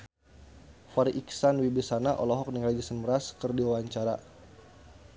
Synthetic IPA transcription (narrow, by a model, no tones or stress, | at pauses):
faɾiʔiksanwibisanaʔɔ̰lɔɦɔk̚niŋɾad͡ʒasənməɾaskɨrdiwawaɲt͡ʃaɾa